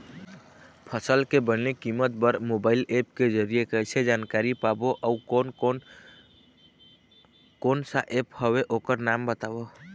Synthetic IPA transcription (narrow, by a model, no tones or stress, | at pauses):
pʰəsəlkebənnekimət̪̚bəɾmobailep̚ked͡ʒəɾijekəjsed͡ʒankaɾipaboʔauon | konsaʔephəβeʔokəɾnambət̪abo